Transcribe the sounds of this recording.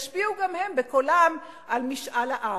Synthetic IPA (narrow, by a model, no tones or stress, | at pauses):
ʃbiuɡamhe̞mbekolam | ʔalmiʃʔalaʔa